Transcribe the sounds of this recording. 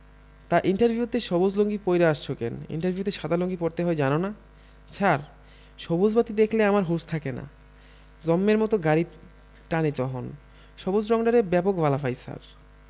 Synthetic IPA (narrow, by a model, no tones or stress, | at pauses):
t̪aʔiɳʈaɾbʱiut̪eʃɔbod͡ʑloŋɡipojɾeaʃt͡ɕʰokḛnḭɳʈaɾbʱiut̪eʃad̪aloŋɡipoɾt̪eɦɔed͡ʑanona | t͡ɕʰaɾ | ʃɔbod͡ʑbat̪id̪ekʰleamaɾɦuɾst̪ʰakena̰ | d͡ʑɔmːeɾmɔt̪oɡaɾi | ʈanet͡ɕɔɦon | ʃɔbod͡ʑɾɔŋɖaɾebɛpokbʱalafajsa̰ɾ